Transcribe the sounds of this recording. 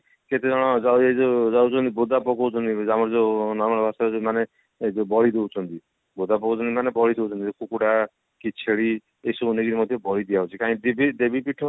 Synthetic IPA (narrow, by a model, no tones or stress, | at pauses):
ket̪ed͡ʒɔɽ̃ɔd͡ʒawd͡ʒed͡ʒod͡ʒawt͡ʃʰɔnt̪ibod̪apɔkot͡ʃʰɔnid͡ʒamɔɾd͡ʒenɔɾmɔlɔbʱasamane | d͡ʒbɔɭid̪ewt͡ʃʰɔnt̪i | bod̪apɔkot͡ʃʰɔnt̪imanebɔɽid̪ewt͡ʃʰɔnt̪iekukuɽa | kit͡ʃʰeɭi | esounikiɾimɔd̪ʱjɔbɔɽid̪iaɦut͡ʃʰikaĩd̪ibid̪ebipiʈʰɔ